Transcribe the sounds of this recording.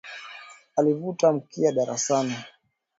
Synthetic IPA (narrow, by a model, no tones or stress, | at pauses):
alivutam̩kiaɗaɾa̰sani